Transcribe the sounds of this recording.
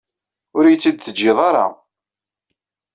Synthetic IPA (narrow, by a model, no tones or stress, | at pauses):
ʊɾjət͡sːid̪̚θəd͡ʒːɪðˤɑɾˤɑ̰